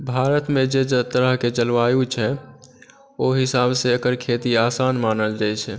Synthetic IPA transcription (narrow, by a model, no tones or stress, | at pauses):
bʱaːɾət̪mẽd͡ʒed͡ʒt̪əɾəɦket͡ʃəlʋaːjut͡ʃʰɛ | oɦɪsaːbseəkəɾkʰet̪iaːsaːnmaːnəld͡ʒajt͡ʃʰɛ